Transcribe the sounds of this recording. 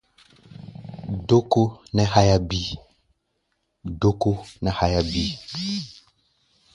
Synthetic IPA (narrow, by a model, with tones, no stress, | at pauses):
ɖo˦ko˦nɛ˦ha˦ja˦bi˦ | ɖo˦ko˦nɛ˨ha˦ja˦bi˦